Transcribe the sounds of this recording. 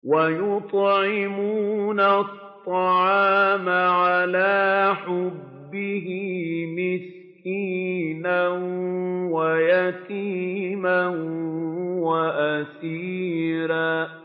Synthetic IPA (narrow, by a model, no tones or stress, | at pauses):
wajʊt̪ˤʕɪmunatt̪ˤːɑʕɑːmaʕalaːħʊbːɪɦɪmɪs | kiːnanwajat̪iːman | waʔasiːɾaː